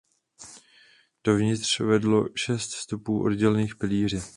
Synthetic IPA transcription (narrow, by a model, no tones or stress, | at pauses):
d̥ovɲɪt̪r̥vɛdlo̞ʃɛst̪st̪upuːʔo̞̰dɟɛlɛniːxpɪliːr̝ɪ